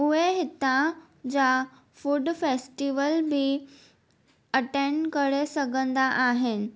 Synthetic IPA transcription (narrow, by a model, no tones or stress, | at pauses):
uʋeɦit̪ã | d͡ʑa | fuɖfesʈiʋəlbʱiː | əʈeɳɖkəɽesəɡənd̪aʔaɦen